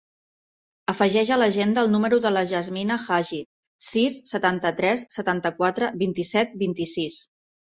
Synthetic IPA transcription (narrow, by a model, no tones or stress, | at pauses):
əfəʒɛʒələʒend̪əːlˠnuməɾuðələʒəzminəxaʒi | sisːət̪ant̪ət̪ɾɛsːət̪ant̪əkwat̪ɾəβint̪isɛt̪̚bint̪isis